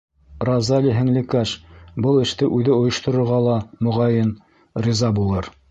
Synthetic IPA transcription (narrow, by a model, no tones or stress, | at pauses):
rɑzɑlʲiɦɘ̆ŋlɘ̆kæʃbɤlˠɘ̆ʃt̪ɘʔʉðɘŏjɤ̆ʃt̪ŏɾŏɾʁɑlˠɑmŏʁɑjɤn | rʲizɑbulˠɤɾ